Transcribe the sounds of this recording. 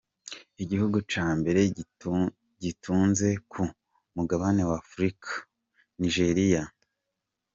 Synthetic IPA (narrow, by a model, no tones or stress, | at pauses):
iɟihuɡut͡ʃaːmbe̞ɾe̞ | ɟitʰuːnze̞kʰu | muɡaβane̞waːfɾikʰḁ | niʒe̞ɾija